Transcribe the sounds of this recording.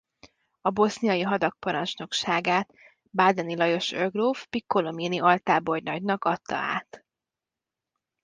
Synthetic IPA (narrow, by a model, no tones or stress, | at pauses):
ɒbo̞snijɒjiɦɒd̪ɒk̚pɒɾɒnt͡ʃno̞kʃaːɡaːt̪ | baːd̪ɛnilɒjo̞ʃøɡrofpikːolominiɒlt̪aːbo̞rjnɒɟnɒkɒt̪ʰːɒ̰a̰ːt̪